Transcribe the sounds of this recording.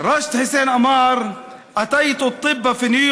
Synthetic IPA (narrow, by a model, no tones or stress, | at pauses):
ɾˤɑʃt̪hɪseːnʔamɑːɾˤ | ʔat̪ajt̪ɑt̪ˤːɨbːafinuj